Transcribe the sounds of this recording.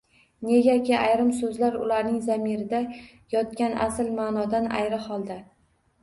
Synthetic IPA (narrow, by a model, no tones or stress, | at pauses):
ne̞ɡʲakʲɪʔajɾɪmsɵzlaɾʊ̰laɾnɪŋzamiɾɪd̪a | jɒt̪̚kʲanʔa̰sɪlmaːnɒd̪ana̰jɾɪhɒlˠd̪a